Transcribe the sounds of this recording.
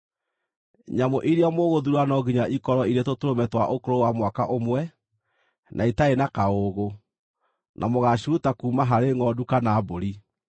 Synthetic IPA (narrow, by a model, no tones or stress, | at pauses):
ɲamoʔiɾeamoɣoðuɾwanɔɡiɲaʔikɔɾɔiɾetotoɾomɛtwaʔokoɾowamwakaʔomwɛ | nʔaitaenakaoɣo | nʔamoɣaɕiɾutakuːmaɦaɾeŋɔdukanaːboɾi